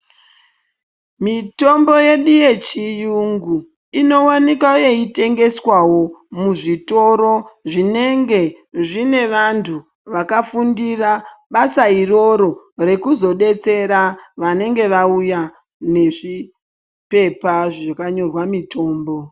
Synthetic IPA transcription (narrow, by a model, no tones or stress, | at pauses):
mito̞mbo̞je̞ɗuje̞t͡ʃijuŋɡu | ino̞wanikaojeite̞ŋɡe̞swawo̞muʐito̞ɾo̞ʐine̞ŋɡe̞ | ʐine̞ʋantʰu | ʋakafundiraɓasairo̞ɾo̞ | re̞kuzo̞ɗe̞t͡se̞ɾaʋane̞ŋɡe̞ʋauja | ne̞ʐi | pe̞paʐakaɲo̞rwamitʰo̞ːmbo̞